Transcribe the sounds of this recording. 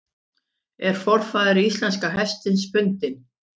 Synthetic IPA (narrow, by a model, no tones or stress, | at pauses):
ɛɾ̥fɔr̥faːðɪɾiist̪lɛnskaɦɛst̪ɪnspʏnt̪ɪn